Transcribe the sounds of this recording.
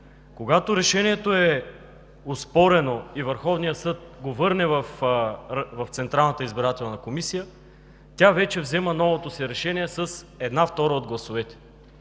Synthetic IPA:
koɡat̪oɾɛʃɛniɛt̪oɛ | ospɔɾɛnoivəɾxɔvnijəsɤt̪̚ɡovɤɾnɛvəf | vɐft̪sɛnt̪ɾalˠnət̪əizbiɾat̪ɛlˠnɐkomisijə | t̪ʲjavɛt͡ʃɛvzɛmənɔvot̪osiɾɛʃɛniɛsəs | ɛd̪naft̪ɔɾəod̪̚ɡlˠɐsʊvɛt̪ɛ̥

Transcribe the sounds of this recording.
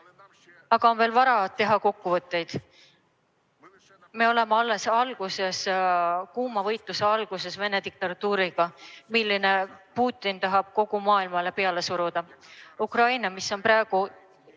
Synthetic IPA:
ɑɡ̥ɑo̞nve̞ːlvɑɾɑt̪ːe̞ɦɑko̞kːuvɤt̪ːˑe̞jd̪̥ | me̞o̞le̞meɑlːe̞sɑlɡ̥use̞skuːmɑvɤjt̪ˑluse̞ɑlɡ̥use̞sve̞ne̞t̪ik̚t̪ɑt̪ːuːɾiɡ̥ɑmilːine̞puːt̪ːˑint̪ɑɦɑb̥̚ko̞ɡ̥umɑːilmɑle̞pe̞ɑle̞suɾud̪̥ɑukrɑjnɑmisːo̞npɾɑeɡ̥u

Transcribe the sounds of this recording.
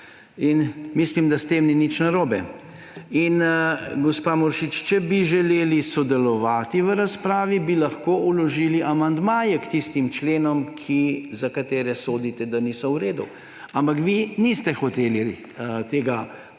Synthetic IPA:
inmislimd̪ast̪eːmninit͡ʃnaɾoːbɛ | inɡɔspaːmɔɾʃit͡ʃt͡ʃɛbiʒɛleːlisɔd̪ɛlɔʋaːt̪iʋəɾaspɾaːʋibilaxkoːulɔʒiːliʔamand̪maːjɛkt̪ist̪imt͡ʃleːnɔmkʰizakat̪eːɾɛsoːd̪it̪ɛd̪anisɔwɾeːd̪u | ampakʋinist̪ɛxɔt̪eːli | t̪eːɡa

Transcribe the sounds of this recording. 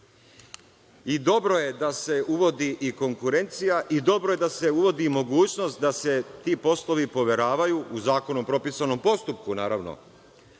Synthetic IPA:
id̪o̞bɾo̞je̞d̪ase̞ʔuʋo̞d̪iʔiko̞ŋkuɾe̞nt̪sijaʔid̪o̞bɾoje̞d̪ase̞uʋo̞d̪imo̞ɡuːt͡ɕno̞st̪̚d̪ase̞t̪iːpo̞slˠo̞ʋipo̞ʋe̞ɾaːʋajuʔuzaːko̞nompɾo̞piːsano̞mpo̞st̪up̚kunaːɾaʋno̞̰

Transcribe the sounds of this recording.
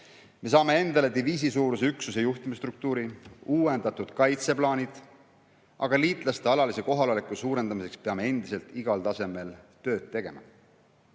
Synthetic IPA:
me̞s̬ɑːme̞e̞nd̪ɑle̞d̪iviːs̬isuːɾus̬e̞yksusejuht̪imist̪ɾruk̚t̪uːɾiuːwe̞nd̪̥ɑt̪ud̪̥kɑjt̪se̞plɑːnʲid̪̥ | ʔɑ̰ɡ̥ɑliːt̪ˑlɑst̪e̞ɑlɑlise̞ko̞ɦɑllikːˑusuːɾe̞nd̪̥ɑmise̞kspeɑme̞e̞nd̪̥ise̞lt̪iɡ̥ɑlt̪ɑse̞me̞lt̪ø̞ːd̪̥̚t̪ːe̞ɡ̥e̞mɑ̰

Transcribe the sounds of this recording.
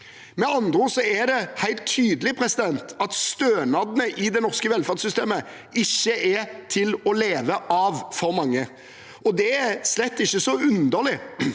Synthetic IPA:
mɛɑnd̪ɾʊsɔæd̪ɛhæɪlt̪ʰːyːd̪əlɪpʰɾɛsɪd̪ɛnt̪ɑt̪st̪øːnɑd̪ənəʔɪd̪ɛnɔʁskəʋɛlfæʁd̪sʏst̪eːmə | ɪçːəʔɛt̪ʰɪlɔleːʋəʔɑʋfɔɾmɑŋːə | ɔd̪ɛæɾslɛt̪ːɪçːəsɔʉnd̪əʁlɪ

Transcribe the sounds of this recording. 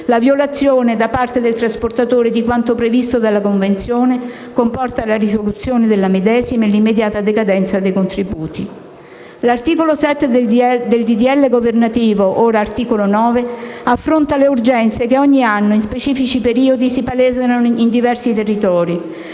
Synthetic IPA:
lavjolat̪sːjoːned̪apart̪ed̪elt̪ɾasport̪at̪oːɾed̪ikwant̪opɾevist̪od̪alːakoɱvent̪sjoːne | kompɔrt̪alarisolut̪sjoːned̪elːamed̪ɛːzimelimːed̪jaːt̪ad̪ekad̪ɛnt̪sad̪ejkont̪ɾibuːt̪i | lart̪iːkolosɛt̪ːed̪d̪eld̪id̪iɛlːeɡovernat̪iːvoʔoːɾaːrt̪iːkolonɔːveafːɾont̪aleurd͡ʒɛnt̪sekeɔɲːianːoinspet͡ʃiːfit͡ʃipeɾiːod̪isipalɛːzenaind̪ivɛrsit̪erːit̪ɔːɾi

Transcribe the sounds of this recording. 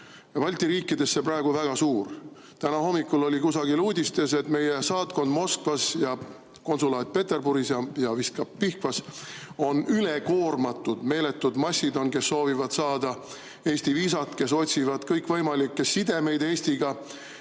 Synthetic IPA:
ɑvɑlʲt̪iɾiːkːˑid̪̥e̞sːeprɑeɡ̥uvæɡ̥ɑsuːr | t̪ænɑho̞mːikːˑulo̞lʲikusɑɡiluːd̪ʲist̪e̞se̞t̪me̞jesɑːt̪̚ko̞nd̪mo̞skvɑsjɑ | ko̞nsulɑːd̪̥̚pe̞t̪e̞rbuɾisjɑjɑvist̪kɑpːihkvɑso̞nyle̞ko̞ːrmɑt̪ːˑud̪̥me̞ːle̞t̪ːud̪mɑsʲːid̪o̞nke̞sːo̞ːvivɑd̪̥sɑːd̪̥ɑ | e̞ːsʲt̪iviːsɑt̪ke̞s̬o̞t̪ʲsivɑd̪̥kɤjkvɤjmɑlikːesːid̪e̞me̞jd̪e̞ːsʲt̪iɡ̥ɑ

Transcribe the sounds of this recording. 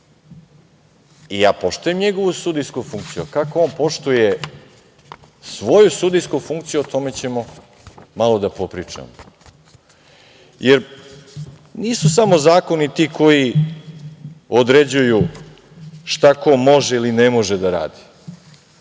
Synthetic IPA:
ijaːpo̞ʃt̪ujemɲeɡo̞ʋusud̪ijskufuŋkt̪sijukakooːnpo̞ʃt̪uje | sʋo̞jusud̪ijskufuŋk̚t̪sijuot̪o̞me̞t͡ɕe̞mo̞ | malo̞d̪apo̞pɾiːt͡ʂa̰mo | jeɾ | niːsusamo̞zaːko̞nit̪iːkʰo̞ji | od̪ɾe̞d͡ʑuju | ʃt̪akomo̞ʒeilinemo̞ʒed̪aɾa̰ːd̪i̥

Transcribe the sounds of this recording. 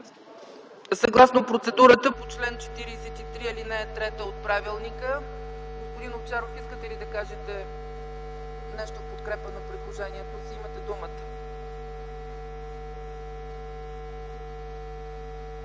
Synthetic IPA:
sɐɡlˠasnopɾot̪sɛd̪uɾət̪əpot͡ʃlɛnt͡ʃɛ̥t̪iɾiːsɛt̪it̪ɾiɛlinɛːt̪ɾɛt̪əot̪̚pɾavilˠnikəɡospod̪inopt͡ʃaɾofiskət̪ɛlid̪ɐkaʒɛt̪ɛ | nɛʃt̪ofpot̪kɾɛpənopɾid̪lˠoʒɛniɛt̪osiimət̪ɛd̪umət̪ə̥

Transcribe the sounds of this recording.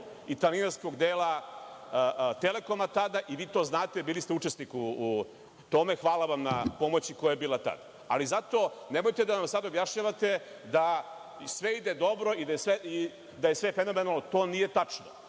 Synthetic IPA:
it̪alinaɾsko̞ɡd̪eːlˠa | t̪ele̞ko̞mat̪ad̪aʔiʋiːt̪o̞znaːt̪e̞biːlist̪eut͡ʂesnikuː | t̪o̞me̞xʋaːlaʋamnapo̞mo̞t͡ɕikojajebiːlat̪a̰d̪̥a | a̰lizat̪o̞ːnemojt̪ed̪anamsad̪objaʃɲaʋat̪e̞ | d̪a | sʋeid̪ed̪o̞bɾo̞id̪ajesʋei | d̪ajesʋe̞feno̞me̞nalˠnot̪o̞ːnije̞t̪at͡ʂno

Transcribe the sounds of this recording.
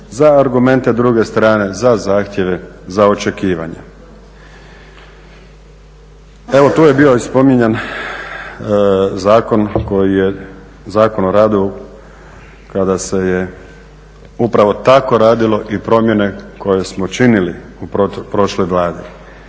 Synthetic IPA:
zaːɾɡume̞nt̪e̞d̪ɾuɡe̞st̪ɾaːne̞zazaːxt̪je̞ʋe̞ | zao̞t͡ʃe̞kiːʋa̰ɲḛ | e̞ʋo̞t̪uːje̞biːoispo̞miɲen | zaːko̞nko̞jije | zaːko̞noɾaːd̪io | kad̪ase̞je | upɾaʋo̞t̪ako̞ɾaːd̪ilˠo̞ʔipɾo̞mje̞ne̞ko̞je̞smot͡ʃiniliuopɾo̞ʃlojʋlˠaːd̪i

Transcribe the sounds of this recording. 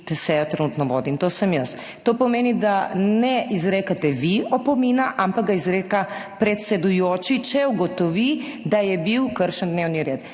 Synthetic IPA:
t̪ɛsɛjɔt̪ɾɛnuːt̪nɔʋo̰ːd̪imt̪oːsəmjəst̪ | t̪oːpɔmeːnid̪anɛizɾeːkat̪ɛʋiɔpɔminaʔampakɡ̚ɡaizɾeːkapɾɛt̪sɛd̪ujoːt͡ʃit͡ʃɛuɡɔt̪ɔʋid̪ajɛbiwkəɾʃənd̪neːwniɾeːt̪

